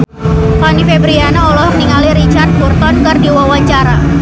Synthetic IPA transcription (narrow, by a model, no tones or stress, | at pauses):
t̪ɔnifebɾianaɔlɔhməniŋaliɾit͡ʃart̪̚burt̪ɔnkərdiwawaɲt͡ʃaɾa